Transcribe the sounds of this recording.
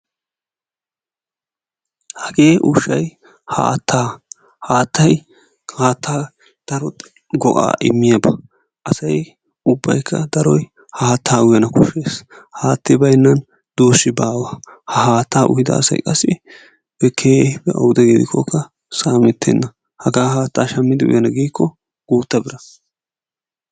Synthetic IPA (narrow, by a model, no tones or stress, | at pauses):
hɐɡe̞ːʔʊʃːɐj | ha̰ːt̪ʰːaː | haːt̪ʰːɐj | aːt̪ʰːaː | d̪̥ɐɾɔ | ɡɔkʼa̰ːʔɪmːɪjabɐ | ʔɐsɐj | ʊbːɐ̰jkʰːɐ̰d̪ɐɾɔj | haːt̪ʰːaːwʊjɐnɐkʊʃːeːshaːt̪ːɪbɐjnːɐn | d̪oːsːɪbaːwɐhɐhaːt̪ːaːʔʊ̰hɪd̪ɐ̰ːsɐ̰jkʼɐsɪ | b̥ɛkʰeːbɛʔɐ̰wʊd̪ɛɡeːd̪ɪkʰːɔkːɐ | saːmɛt̪ʰːɛ̰nːɐ | hɐɡaːhaːt̪ːaːʃɐmːɪd̪ɪʔʊ̰jɐnɐɡiːkːɔ | ɡ̥uːt̪ːɐbɪɾɐ